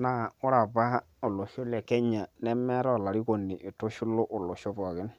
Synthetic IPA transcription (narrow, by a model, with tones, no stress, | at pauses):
na˦˨ʊ˦ɾa˨ba˦ | o˨lo˨ʃo˦le˨kɛ˦ɲa˨nɛ˦mɛ˦ɾɔ˦˨la˨ɾi˦ko˨nːi˨ʔi˨to˦ʃu˦lo˦ʔo˨lo˨ʃo˦bɔ˨ɡɪ˦n